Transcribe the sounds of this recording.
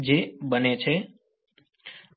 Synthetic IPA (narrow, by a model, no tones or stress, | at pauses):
d͡ʒebənet͡ʃʰe